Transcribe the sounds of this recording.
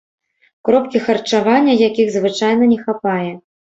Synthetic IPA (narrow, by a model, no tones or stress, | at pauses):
kɾɔp̚kʲixɐrt͡ʂavanʲːɐjakʲiɣzvɨt͡ʂajnɐnʲɛxapajɛ